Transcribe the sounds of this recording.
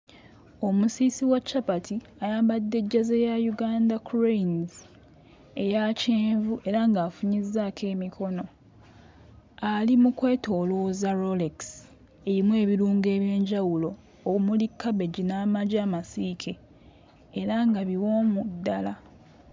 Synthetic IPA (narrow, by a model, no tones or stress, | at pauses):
o̞musiːsiwat͡ʃːapatʰi | ajaːmbadːe̞ɟːazejajuɡaːndakuɾenz | ejaceːɱvuʔe̞ɾaŋɡaːfuɲizːaːkʰe̞ːmikʰo̞no̞ | alimukwe̞ːto̞ːlo̞ːzaɾoleks | e̞ɾimwe̞ːβiɾuːŋɡe̞ːβje̞ːɲɟawulo̞ː | umulikːaβe̞ɟinaːmaɟaːmasiːkʰe̞ː | ɾaŋɡaβiwo̞ːmudːala